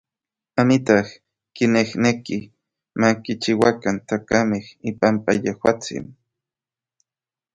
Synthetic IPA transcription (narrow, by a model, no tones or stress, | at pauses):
amit̪ah | kinehneki | makit͡ʃiwakant̪akamehipampajehwa̰t͡sḭn